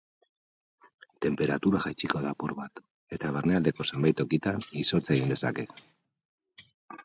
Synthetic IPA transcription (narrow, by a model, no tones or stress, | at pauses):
t̪e̞mpe̞ɾat̪uɾaʝajt͡ʃiko̞ðapuɾβat̪ | e̞t̪aβ̞eɾneald̪e̞ko̞sembajt̪o̞kit̪aniso̞t͡se̞ɣind̪e̞sa̰ke̞